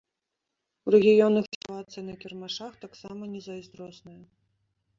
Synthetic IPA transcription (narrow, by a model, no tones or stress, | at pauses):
wrɛɣʲijɔnːɨxtavat̪sɐnɐkʲɛrmaʂaxt̪aksamɐnʲɛzɐjzd̪ɾɔsnɐjɐ